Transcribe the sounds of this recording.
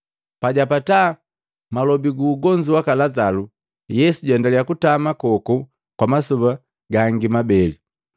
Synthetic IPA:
paɟapata | malɔbiɡuːɡɔɲd͡ʒiwakalazalu | jɛsuɟɛndalɛakutamakɔku | kwamasuba | ɡaŋɡimabɛli

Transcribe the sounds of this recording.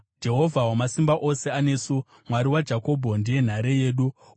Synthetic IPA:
d͡ʒe̞ɦo̞vʱawamasimbaʔo̞se̞ane̞ːsu | mwaɾiwad͡ʒako̞bʱo̞ndije̞n̤aɾe̞je̞ːɗu

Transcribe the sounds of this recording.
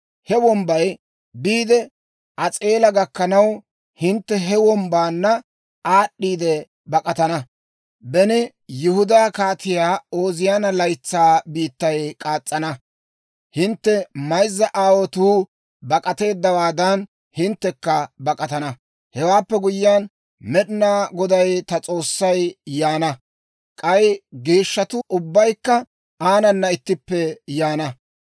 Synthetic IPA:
hɛwɔmbɐj | biːd̪ɛ | ʔɐt͡sʼe̞ːlɐɡɐkːɐnɐw | hɪnt̪ːɛɦɛwɔmbaːnːɐ | aːɗːiːd̪ɛ | bɐkʼɐt̪ɐnɐ | bɛnɪ | jʊhʊd̪aːkaːt̪ɪjaːo̞ːzɪjaːnɐlɐjt͡sːaːbiːt̪ːɐjkʼaːt͡sʼːɐnɐ | hɪnt̪ːɛmɐjzːɐʔaːwɔt̪uː | bɐkʼɐt̪e̞ːd̪ːɐwaːd̪ɐn | hɪnt̪ːɛkːɐbɐkʼɐt̪ɐnɐ | hɛwaːpːɛɡʊjːan | mɛɗɪnaːɡɔd̪ɐjt̪ɐt͡sʼo̞ːsːɐjjaːnɐ | kʼɐjɡeːʃːɐt̪ʊʔʊbːɐjkːɐ | aːnɐnːɐɪt̪ːɪpːɛjaːnɐ

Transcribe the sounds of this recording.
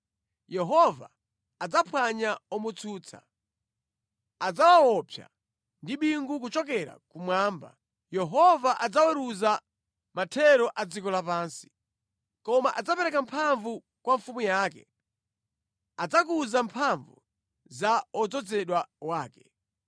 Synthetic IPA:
jɛɦɔva̰ː | d͡zapʰwaɲaɔmut͡sʰuːt͡sʰa̰ | ad͡zawawɔpʰja̰ | ndiɓiŋɡuk̬ut͡ʃɔkɛɾa̰kumwaːmba | jɛɦɔvaʔad͡zawɛɾuza | matʰɛɾɔʔad͡zikɔlapaːnsi̥ | kɔmaʔad͡zapɛɾɛkampʰaɱvu | kwaɱfumujaːkɛ | ad͡zakuzampʰaɱvṵ | zaɔd͡zɔd͡zɛɗwawaːkɛ̥

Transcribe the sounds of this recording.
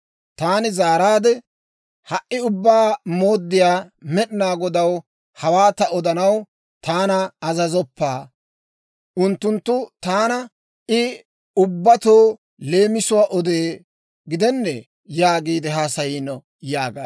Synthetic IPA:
t̪aːnɪzaːɾaːd̪ɛ | hɐʔːɪʊbːaːmo̞ːd̪ːɪjaːmɛɗɪnaːɡɔd̪ɐw | hɐwaːt̪ɐɔd̪ɐnɐw | t̪aːnɐːzɐzɔpːaː | ʔʊnt̪ːʊnt̪ːʊt̪aːnɐ | ɪ | ʊbːɐt̪oː | le̞ːmɪsʊwaːʔɔd̪eː | ɡɪd̪ɛnːɛ | jaːɡiːd̪ɪɦaːsɐjiːnɔ | jaːɡa

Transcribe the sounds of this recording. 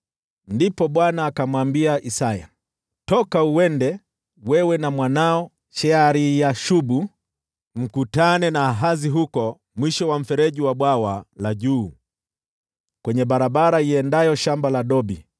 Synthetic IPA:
ndipɔɓwanaːkamwambiaʔisaja̰ | tɔkauɛndɛ | wɛwɛnamwanaɔ | ʃɛaɾijaʃuɓu | m̩kutanɛnaːɦaziɦukɔ | mwiʃɔwam̩fɛɾɛʄiwaɓwawalaʄuː | kwɛɲɛɓaɾaɓaɾaiɛndajɔʃambalaɗɔbi

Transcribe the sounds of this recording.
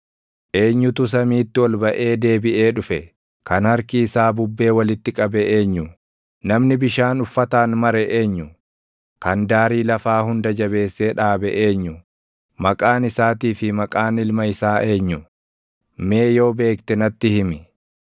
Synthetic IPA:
ʔe̞ːɲːʊt̪ʊs̬ɐmiːt̪ːɪwɔlbɐʔe̞ːd̪e̞ːbɪʔe̞ːᶑʊfɛ | kɐnhɐɾkɪːsaːbʊbːe̞ːwɐlɪt̪ːɪkʼɐbɛʔe̞ːɲːʊ | nɐmnɪbɪʃaːnʊfːɐt̪aːnmɐɾɛʔe̞ːɲːʊ | kɐnd̪aːɾiːlɐfaːhʊnd̪ɐd͡ʒɐbe̞ːsːeːᶑaːbɛʔe̞ːɲːʊ | mɐkʼaːnɪsaːt̪iːfɪmɐkʼaːnɪlmɐɪsaːʔe̞ːɲːʊ | me̞ːjo̞ːbe̞ːkt̪ɛnɐt̪ːɪhɪmɪ

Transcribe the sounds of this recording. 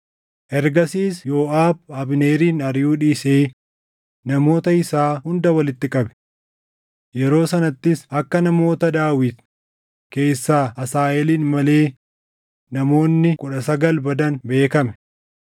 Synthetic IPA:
ʔɛɾɡɐsiːsjo̞ːʔaːb̚ɐbɪne̞ːɾiːnɐɾjuːᶑiːseː | nɐmo̞ːt̪ɐɪsaːɦʊnd̪ɐwɐlɪt̪ːɪkʼɐbɛ̥ | jɛɾo̞ːsɐnɐt̪ːɪsɐkːɐnɐmo̞ːt̪ɐd̪aːwɪt̪ | ke̞ːsːaːɐsaːʔɛliːnmɐle̞ː | nɐmo̞ːnːɪkʼʊᶑɐsɐɡɐlbɐd̪ɐnbe̞ːkɐmɛ̥

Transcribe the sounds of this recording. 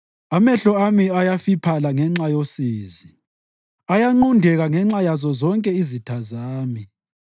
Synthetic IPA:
amɛɬɔamiajafipʰalaŋɛŋ͡ǁajosiːzi | ajaŋ͡ǃundʱɛɣaŋɛŋ͡ǁajazɔzɔŋkʼɛizitʰazaːmi

